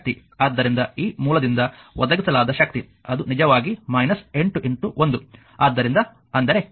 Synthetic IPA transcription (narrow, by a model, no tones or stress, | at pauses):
t̪i | aːd̪ːɐɾind̪ɐiːmuːlɐd̪ind̪ɐʋɔd̪ɐɡisɐlaːd̪ɐʃɐk̚t̪i | ɐd̪unid͡ʒɐʋaːɡimɐjnɐse̞ɳʈuʔeɳʈuʔond̪u | aːd̪ːɐɾind̪ɐ | ɐnd̪ɐɾe̞